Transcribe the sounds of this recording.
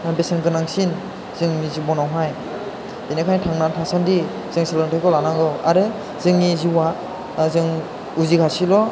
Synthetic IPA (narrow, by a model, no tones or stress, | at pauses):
abesɯŋɡɯnaŋsin | z̥ɯŋnizibɔnawɦaj | inikʰantʰaŋnantʰasandi | z̥ɯŋsɯlɯŋtʰajkɔlanaŋɡɔaɾɯ | z̥ɯŋniziwa | zɯŋ | uzikʰasilɔ